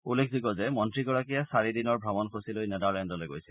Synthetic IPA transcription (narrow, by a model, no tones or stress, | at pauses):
ulːekʰziɡɔzɛmɔntɹiɡɔɹakijasaɹidinɔɹbʱɹabɔnxʰosilojnɛdalɛndɔlojɡo̰jsɛ